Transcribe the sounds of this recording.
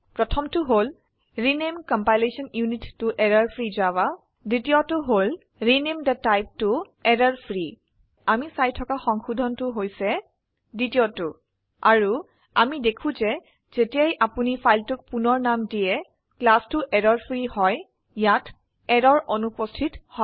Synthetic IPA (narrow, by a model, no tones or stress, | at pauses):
pɹɔtʰɔmtʊɦol | ɹinemkɔmpajlesɔnjunitːʊʔɛɹaɹpʰɹizaba | ditiotʊɦol | ɹinemdɛtajp̚tʊ | ɛɹaɹpʰɹi | amisajtʰɔkaxɔŋxudʱɔntʊɦojsɛ | ditiɔtʊ | aɹu | amidekʰũzɛ | z̥etijajʔapunipʰajltʊk̚punɔɹnamdijɛ | klastʊʔɛɾɔɹpʰɹihɔj | jat | ɛɹɔɹʔɔnupɔstʰithɔ